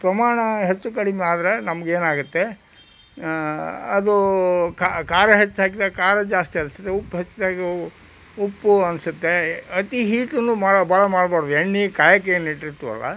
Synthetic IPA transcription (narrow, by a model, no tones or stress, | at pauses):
pɾɐmaːɳɐɦet͡ʃːukɐɽimeaːd̪ɾenɐmɐɡeːnaːɡut̪ːe̞ | ɐd̪ukakaːɾɐɦet͡ʃːɦaːk̬id̪aːɡekaːɾɐd͡ʒaːst̪iɐnsu̥t̪ːeupːɦet͡ʃːd̪aːɡe | upːuɐnsut̪ːeɐt̪iɦiːʈɐnːumaːɽbʱaːɭɐmaːɽbaːɽod̪eɳːikaːjɐkejɐniʈːiɾt̪ːuɐ̰lːɐ̰